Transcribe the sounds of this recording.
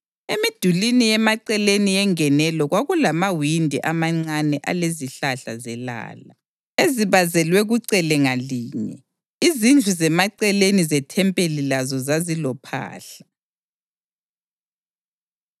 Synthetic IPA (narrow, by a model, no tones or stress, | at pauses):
emid̥ʱulinijɛmaǀɛlenijɛŋɛnɛlɔɣwaɣulamawindʱḭʔamaŋ͡ǀanɛʔa̰leziɬaɬazɛla̰ːla | eziβazɛlwɛɣuǀɛlɛŋaliːɲɛ̰ | izind͡ɮʱuzɛmaǀɛlenizɛtʰɛmpʼelilazɔzazilɔpʰa̰ːɬḁ